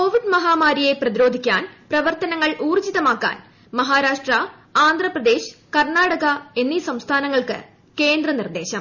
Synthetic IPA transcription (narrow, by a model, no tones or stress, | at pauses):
ko̞ːʋiɖmɐɦaːmaːɾije̞prɐðiɾo̞ːd̪ʱikʲːa̰ːnprɐʋɐrt̪ɐnɐŋːɐɭʔuːrt͡ɕiðɐmaːkːa̰ːn | mɐɦaːɾaːʂʈrɐ | aːnd̪ʱrɐprɐd̪e̞ːɕkɐrɳaːɽɐɣɐe̞nːisɐmst̪ʰaːnɐŋːɐɭkɨ̰ | ke̞ːnd̪rɐnird̪e̞ːɕɐ̰m